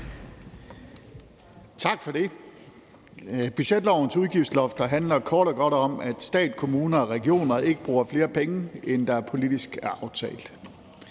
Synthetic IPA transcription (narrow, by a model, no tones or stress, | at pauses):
t͡sʰɑ̈ɡ̥fɒɾe̝ | b̥yɕed̥lɒʊ̰n̩suð̞ˠɡ̥iʊd̥slɒ̽fd̥ɐɦænlɐkʰɒːɾ̥ɒɡ̥ɒ̽ɾ̥ɒ̽mæd̥sd̥ɛ̰ːd̥kʰo̝muːnɐɒʁɛɡ̥io̝̰ːnɐe̝ɡ̥əb̥ʁuːɐfle̝ːɐpʰeŋəend̥ɑ̈æɐpʰo̝lid̥isɡ̥æɐʔɑ̈ʊt͡sʰɛ̰ːld̥